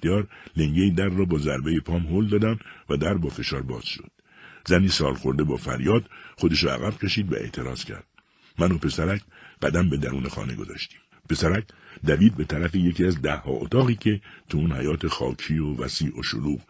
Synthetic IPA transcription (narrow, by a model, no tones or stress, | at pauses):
t̪eɒːɾle̞ŋɟejid̪æɾːɒːbɒːzæɾbe̞jepʰɒːmɦold̪ɒːd̪æmvæd̪æɾbɒːfe̞ʃɒːɾbɒːz̥ʃo̞̰d̪̥ | zæniːsɒːlxo̞ɾd̪e̞bɒːfæ̰ɾjɒːd̪̥χo̞d̪e̞ʃɔːæ̰ɣæb̥cʰe̞ʃiːd̪væ̰e̞̰ʔt̪ʰe̞ɾɒ̰ːz̥cʰæ̰ɾd̪̥̚ | mæno̞pʰe̞sæɾækʰɢ̥æd̪æmbe̞d̪æɾuːne̞xɒ̰ːne̞ɡo̞̰zɒ̰ːʃt̪i̥ːm | pe̞sæɾækʰd̪æviːd̪̚be̞t̪ʰæɾæfeje̞cʰiːæzd̪æhːɒ̰ːʔo̰t̪ʰɒːɣiːcʰe̞t̪ʰuunhæjɒːt̪ʰexɒ̰ːkʰiːovæ̰siːʔo̰ʃo̰luːɡ